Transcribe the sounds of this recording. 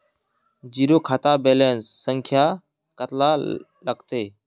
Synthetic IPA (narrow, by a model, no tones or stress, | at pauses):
d͡ʒiːɾoːkʰaːt̪aːbeːleːnsːəŋkʰjaː | kət̪laː | ləɡt̪eː